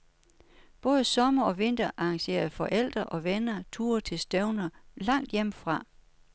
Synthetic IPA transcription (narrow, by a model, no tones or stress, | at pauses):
b̥ɔ̽ːð̞ˠəsɒ̽mɐɒ̽ʋe̝n̰d̥ɐʔɑ̈ɑ̈ŋɕe̝̰ːɐðfɒ̽ʔel̰d̥ʁɐʔɒ̽ʋenɐt͡sʰṵːɐt͡sʰe̝lsd̥œʊnɐlɑ̈ŋ̰d̥jem̰fʁɑ̈